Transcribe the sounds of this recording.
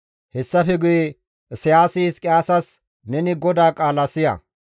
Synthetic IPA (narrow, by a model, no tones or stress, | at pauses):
hɛsːɐfɛɡʊjɛ | sɪjaːsiːskʼɪjaːsɐs | nɛnɪɡɔd̪aːkʼaːlɐsɪjɐ̰